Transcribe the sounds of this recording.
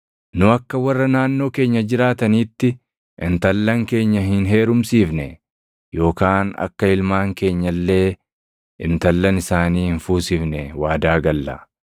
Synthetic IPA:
nʊɐkːɐwɐrːɐnaːnːo̞ːke̞ːɲːɐd͡ʒɪɾaːt̪ɐniːt̪ːɪ | ʔɪnt̪ɐlːɐŋke̞ːɲːɐɦɪnɦe̞ːɾʊmsiːfnɛ | jo̞ːkaːnɐ̰kːɐɪlmaːŋke̞ːɲːɐlːe̞ː | ʔɪnt̪ɐlːɐnɪsaːniːhɪnfuːsɪfnɛwaːd̪aːɡɐlːɐ

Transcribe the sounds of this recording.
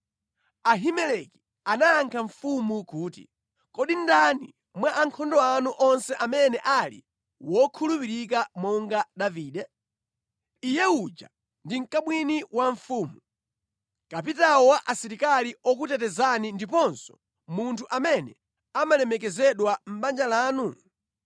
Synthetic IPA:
aɦimɛlɛki̥ | anaaŋkʰaɱfumukuːtḭ | kɔɗindanḭ | mwaʔaŋkʰɔndɔanuʔɔnsɛʔamɛnɛʔalḭ | wɔkʰulupiɾik̬amɔŋɡaɗaviːɗɛ | ijɛud͡ʒa̰ | ndiŋ̩kamwiniwaɱfuːmu | kap̬itawɔwaʔasiɾikaliɔk̬utɛtɛzanindipɔnsɔ̥ | muntʰuʔamɛnɛ̰ | amalɛmɛkɛzɛɗwam̩ɓand͡ʒalaːnu

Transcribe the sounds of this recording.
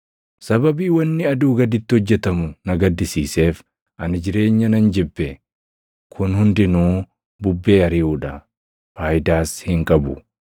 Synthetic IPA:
sɐbɐbiːwɐnːɪɐd̪uːɡɐd̪ɪt̪ːɪhɔd͡ʒːɛt̪ɐmʊnɐɡɐd̪ːɪsiːse̞ːf | ʔɐnɪd͡ʒɪɾe̞ːɲːɐnɐnd͡ʒɛbːɛ | kʰʊnhʊnd̪ɪnuː | bʊbːe̞ːɐɾɪuːᶑɐ | faːjɪd̪aːshɪŋkʼɐbʊ

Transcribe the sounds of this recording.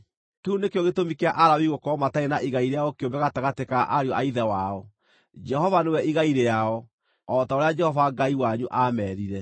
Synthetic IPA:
keunekeɔɣetomikeaʔaɾawiɣokɔmataenaʔiɣaiɾeaɔkeombɛɣataɣatekaʔaɾejɔʔaiðɛwaɔ | d͡ʒɛhɔvanewɛʔiɣaiɾeaɔ | ɔtaoɾead͡ʒɛhɔvaɡaiwaɲuʔamɛɾiɾɛ

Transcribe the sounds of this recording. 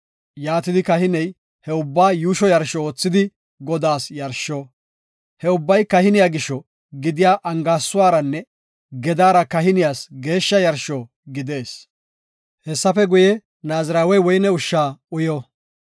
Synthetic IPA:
jaːt̪ɪd̪ɪkɐɦɪnɛj | hɛʊbːaːjuːʃɔjɐɾʃɔoːt͡sːɪd̪ɪ | ɡɔd̪aːsjɐɾʃːɔ | hɛʊbːɐjkɐhɪnɪjaːɡɪʃːɔ | ɡɪd̪ɪjaːʔɐŋɡaːsːʊwaːɾɐnːɛ | ɡɛd̪aːɾɐkɐɦɪnɪjaːsɡe̞ːʃːɐjɐɾʃɔ | ɡɪd̪e̞ːs | hɛsːɐfɛɡʊjɛ | naːzɾaːwɛjwɔjnɛʊʃːaːʊjɔ

